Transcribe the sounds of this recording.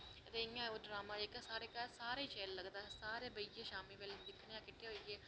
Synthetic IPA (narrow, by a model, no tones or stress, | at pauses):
ət̪eːɪŋãːoːɖɾaːmaːekːsaːɾeːkaːlsaːɾeːt͡ʃɛːlːəɡd̪aːsaːɾeːbəieːʃaːmiːʋeld̪ɪkʰneãːkɪʈːeːɦoːieː